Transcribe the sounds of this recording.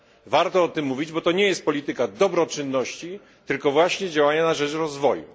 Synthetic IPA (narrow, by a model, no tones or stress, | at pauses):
vaɾt̪ɔɔt̪ɘmːuvʲid͡ʑbɔt̪ɔɲɛjɛst̪̚pɔlʲit̪ɘkad̪ɔbɾɔt͡ʂɘnːɔɕt͡ɕi | t̪ɘlkɔvwaɕɲɛd͡ʑawaɲanaʐɛt͡ʂɾɔzvɔjṵ